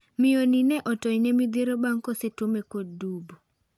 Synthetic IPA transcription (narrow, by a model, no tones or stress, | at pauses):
mɪoninɛʔɔtɔinemid̪iɾobaŋkɔsetomekodubo